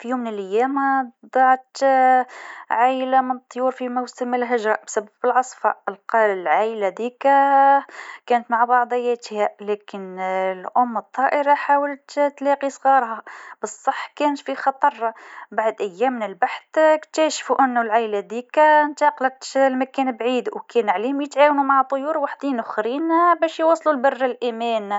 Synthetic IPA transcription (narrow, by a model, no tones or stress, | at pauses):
fijuːmːnɪlʔæjːæmd̪ˤɑʕt̪ | ʕajlamənt̪ˤːjuːɾfimawsəməlɦɪʒɾˤɑbsæbːæbəlʕɑsˤfɑ̰əlqɑlɪlʕajlad̪iːkæ | kæːnət̪maʕbɑʕd̪ˤɑjːæt̪hælæːkɪnlʔʊmːət̪ˤːɑʔəɾɑħaːwəlt̪t̪lɑːqisˤɣɑːɾˤhɑbɨsˤːɑħːkæːnət̪fixɑt̪ˤɑɾˤːɑbaʕd̪ʔæjːæːmːɪnɪlbaħθkt̪æːʃfuʔɪnːʊlʕajlæd̪iːkænt̪ɑqlɑt̪lmækæːnbʕiːd̪wkæːnʕaliːhʊmjət̪ʕaːwnumaʕt̪ˤːojuːɾwaħd̪iːnʊxɾiːnbæːʃjwɑsˤːlulbɑrːɪlʔæmæːn